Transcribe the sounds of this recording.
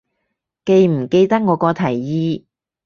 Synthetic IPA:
ke˧jm̩˨˩ke˧jt̪ɐ˥k̚ŋɔː˨˧kɔː˧t̪ʰɐ˨˩jjiː˧

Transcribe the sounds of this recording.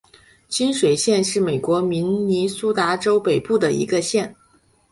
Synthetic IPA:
t͡ɕʰi˥nʂwe˨˩ɪɕjɛ˥˧nʂɻ̩˥˩me˨˩ɪkwɔ˧˥mi˧˥nni˧˥su˥t̪a˧˥ʈ͡ʂo˥ʊpe˨˩ɪpu˥˩d̪ə˩ḭ˧˥ɡə˧ɕjɛ˥˩n

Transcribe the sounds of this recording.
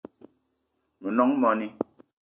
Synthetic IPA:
mə˨nɔ˨˦ŋmɔ˨ni˦

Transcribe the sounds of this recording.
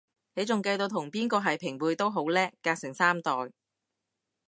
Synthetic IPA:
ne˨˧jt͡sʊ˨ŋkɐ˧jt̪o˧wt̪ʰʊ˨˩ŋpiː˥nkɔː˧ɦɐ˨jpʰɪ˨˩ŋwuː˨˧jt̪o˥wɦo˨˥wlɛː˥kaː˧k̚sɪ˨˩ŋsaː˥mt̪ɔː˨˩j

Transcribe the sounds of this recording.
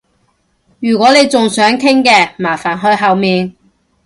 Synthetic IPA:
jyː˨˩kʷɔː˨˥ne˨˧jt͡sʊ˨ŋsœː˨˥ŋt̪ʰɪ˥ŋkɛː˧maː˨˩faː˨˩nɦɵ˧ɥɦɐ˨wmiː˨n

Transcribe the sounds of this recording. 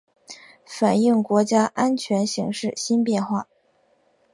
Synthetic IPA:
fa˨˩ni˥˩ŋkwɔ˧˥t͡ɕja˥ʔa˥nt͡ɕʰɥɛ˧˥nɕi˧˥ŋʂɻ̩˥˩ɕi˥npjɛ˥˧nxwa˥˩

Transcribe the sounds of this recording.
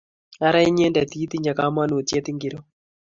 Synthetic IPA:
a˦ɾa˦i˦ɲɛ˦nda˨t̪i˦t̪i˦ɲd͡ʒa˨ka˨˦ma˦no˨tje˦t̪i˦ŋɡɪ˨ɾo˦

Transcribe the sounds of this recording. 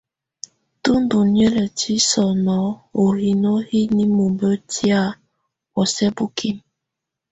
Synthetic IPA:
tu˦ndu˨njɛ˦lə˨ti˦sɔ˨nɔ˨˦o˨ɾi˨no˦hi˦ni˦mu˨mbə˦ti˦a˦ | wɔ˨sɛ˦bu˦kʰi˦m

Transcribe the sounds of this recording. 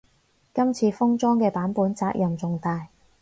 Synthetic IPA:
kɐ˥mt͡sʰiː˧fʊ˥ŋt͡sɔː˥ŋkɛː˧paː˨˥npuː˨˥nt͡saː˧k̚jɐ˨˩mt͡sʊ˨ŋt̪aː˨˧j

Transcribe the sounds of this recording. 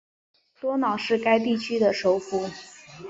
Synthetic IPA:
t̪wɔ˥nɑ˨˩ʊʂɻ̩˥˩ka˥ɪt̪i˥˩t͡ɕʰy˥d̪ə˨ʂo˧˥ʊfu˧˥

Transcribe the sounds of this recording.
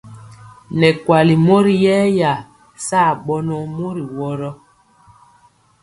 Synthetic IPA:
nɛ˨kwa˨li˨mo˦ɾi˨jɛː˦ja˨ | saː˦˨ɓɔ˦nɔ˦˨mo˦ɾi˨wɔ˦ɾɔ˦

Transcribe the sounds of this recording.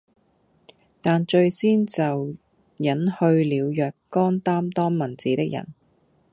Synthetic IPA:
t̪aː˨nt͡ʃɵ˧ɥsiː˥nt͡sɐ˨w | jɐ˨˥nhɵ˧ɥliː˨˧wjœː˨kːɔː˥nt̪aː˥mt̪ɔː˥ŋmɐ˨˩nt͡siː˨˥t̪ɪ˥k̚jɐ̰˨˩n

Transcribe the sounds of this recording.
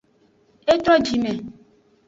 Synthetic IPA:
e˦t̪ɾɔ˦d͡ʒi˨mẽ˨

